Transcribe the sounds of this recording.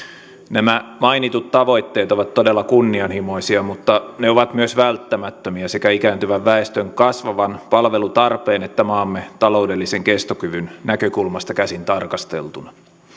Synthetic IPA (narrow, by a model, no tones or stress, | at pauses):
næmæmɑinit̪ut̪t̪ɑʋo̞jt̪ːe̞ːt̪o̞ʋɑt̪t̪ːodelːɑkunːiɑnhimo̞isiɑmut̪ːɑne̞oʋɑt̪myøsʋælt̪ːæmæt̪ːømiæse̞kæikæːnt̪yʋæʋːæest̪øŋkɑsʋɑʋɑnpɑlʋe̞lut̪ɑrpeːnet̪ːæmɑːmːet̪ɑlo̞udelːise̞ŋke̞st̪okyʋynnækøkulmɑst̪ɑkæsint̪ɑrkɑst̪ḛlt̪unɑ